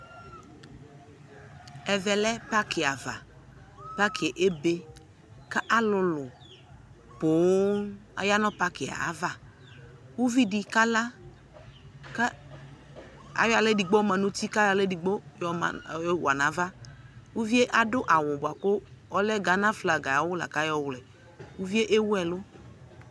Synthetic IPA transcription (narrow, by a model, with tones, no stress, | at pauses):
ɛ˨vɛ˨lɛ˦pa˦kʰɪ˨a˨va̰˨ | pa˦kʰɪ˨e˨ʔe˦be˨ | ka˦ʔa˦lʊ˨lʊ˨ | pʊ˨˦a̰˨ja˦nɔ˦pa˦kɪ˨a̰˨a̰˨˦va˨ | wu˦vi˦di˨ka˦la˦ | ka˦ | a̰˨jɔ˦a˨le˦di˨ɡ͡bo˦ma˨nʊ˦ti˦ka˦la˦le˦di˨ɡ͡bo˦jɔ̰˦˨˦wa̰˨nã˨˦va˦wu˦vi˦e˦ʔa˨dʊ˦ʔa˨wʊ˨bʊ˨a˨kʊ˦ɔ˦lɛ˦ɡa˨nã˦fla˨ɡa˨a˨wʊ˦la̰˨ka˦jɔ˦wlɛ˨ | wu˦vi˦e˦ʔe˦wɛ˨lʊ˦